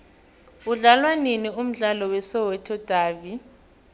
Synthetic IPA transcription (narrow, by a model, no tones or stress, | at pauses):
uɮalwaninium̩ɮalɔwɛsɔwɛtʰɔd̥ʱaːvi